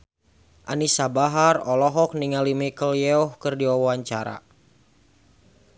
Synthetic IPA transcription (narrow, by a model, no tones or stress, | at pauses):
ʔa̰nisabaɦarɔlɔɦɔk̚niŋalimikəljɛɔhkərdiaaɲt͡ʃaɾa̰